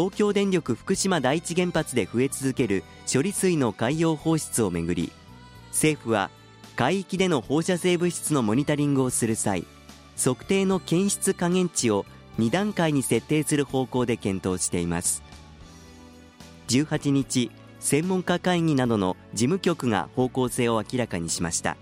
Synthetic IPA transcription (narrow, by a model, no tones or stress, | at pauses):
t̪o̞ːkʲo̞ːd̪ẽ̞nɾʲo̞kɯ̟ɸɯ̟̥kɯ̟ɕimad̪ait͡ɕiɡẽ̞mpat͡sɨd̪e̞ɸɯ̟e̞t͡sɨzɨke̞ɾɯ̟ | ɕo̞ɾʲisɨino̞kaijo̞ːho̞ːɕi̥t͡sɨo̞me̞ɡɯ̟ɾʲḭ | se̞ːɸɯ̟β̞a̰ | kaiːkʲid̪e̞no̞ho̞ːɕase̞ːbɯ̟ɕi̥t͡sɨno̞mo̞ɲ̟it̪oɾʲĩŋɡɯ̟o̞sɨɾɯ̟sa̰ḭ | so̞kɯ̟̥t̪e̞ːno̞kẽ̞ɰ̃ɕi̥t͡sɨkaŋẽ̞ɲt͡ɕio̞ | ɲ̟id̪ãŋkaiɲ̟ise̞t̪ːe̞ːsɨɾɯ̟ho̞ːko̞ːd̪e̞kẽ̞nt̪o̞ːɕi̥t̪e̞imasɨ̥ | d͡ʑɨːhat͡ɕiɲ̟it͡ɕi | sẽ̞mːõŋkakaiŋ̟inad̪o̞no̞d͡ʑimɯ̟kʲo̞kɯ̟ŋa̰ho̞ːko̞ːse̞ːo̞akʲiɾakaɲ̟iɕima̰ɕi̥t̪a̰